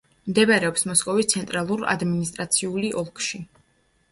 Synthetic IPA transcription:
md̪ɛvaɾɛɔpsmɔskʼɔvist̪sʰɛnt̪ʼɾalˠuɾa̰d̪minist̪ʼɾat̪sʰiuliʔɔlˠkʰʼʃi

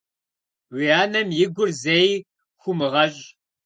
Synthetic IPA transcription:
wʷiaːnɐmjɪɡʷʊrzej | xʷʊmɨʁɐɕʼ

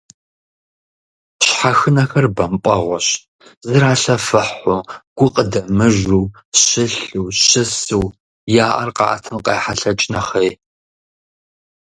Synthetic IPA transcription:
ɕħaxɨnɐxɐrbɐmpʷʼɐʁʷɔɕ | zɨɾaːɬɐfɐħʊɡ̥ʷʊqʼədɐmɨʒuː | ɕɪɬuːɕɪsuw | jaːʔɐ̰rqɑ̰ʔːtʰɨmqejːħaɬɐt͡ʃʼnɐχej

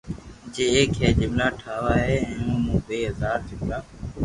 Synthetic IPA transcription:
d͡ʒeːeːkɦeːd͡ʒɪmlaːʈʰaːʋaːɦeːɛ̃ːũːmũːbeːɦəzaːɾd͡ʒɪmlaː

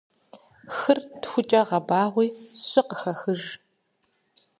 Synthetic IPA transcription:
xɨrtxʷʊt͡ʃʼɐʁɐbaːʁʷiːɕʷʼɪqəxɐxɨʒ

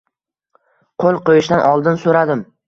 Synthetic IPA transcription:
qʰolˠqojɪʃd̪anʔɒlˠd̪ɪnsoɾad̪ɪm

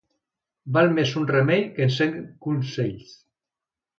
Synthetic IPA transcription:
balˠmesunremejkenseŋɡkunseʎs

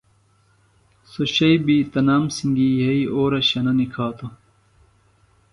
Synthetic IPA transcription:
soɕɐjbit̪ɐnaːmsiŋɡijɐiʔoːɾɐɕɐnɐnikʰaːt̪o

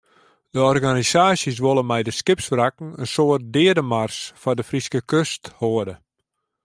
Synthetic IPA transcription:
d̥əɔrɣanisaːsjəs̬ʋolˠəmɛjdəskɪpsfrakŋ̩ənsoərt̚dɪədəmarsfɔdəfriskəkøsthoədə

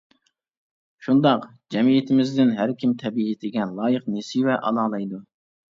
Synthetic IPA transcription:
ʃund̪ɑq | d͡ʒɛmijɪt̪ʰɪmɪzd̪ɪnɦæɾkʲʰimt̪ʰɛbiet̪ʰɪɡʲɛnlˠɑːjəqnesivɛʔɑ̰lˠɑːlˠɑjd̪u

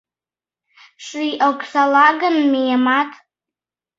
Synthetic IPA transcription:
ʂiʔakʷʰʼsalaɡanmijamatʰʼ

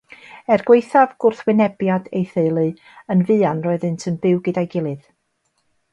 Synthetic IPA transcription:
ɛrɡwejθavɡʊrθwɪnɛbjadejθeɨlˠɨ | ənvɨanrɔɨðɨntʰənbɪwɡɪdajɡɪlˠɨð

